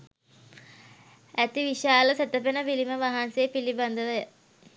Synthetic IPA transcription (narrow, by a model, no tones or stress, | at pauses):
æt̪iʋiʃaːləsæt̪əpenəʋiliməʋaɦansejːpiliband̪əʋəjə